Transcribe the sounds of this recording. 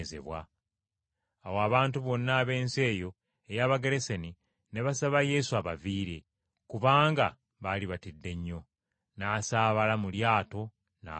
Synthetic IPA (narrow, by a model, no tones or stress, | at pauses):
zḛβwa̰ | waβaːntuβo̞nːaːβe̞ːnse̞ːjo̞ | ejaːβaɡeɾe̞seni | ne̞βasaβaje̞suaβaviːɾe̞̰ | kuβaːŋɡa̰ | βaliβatidːe̞ɲːo̞ | naːsaːβalamuljaːto̞ | na̰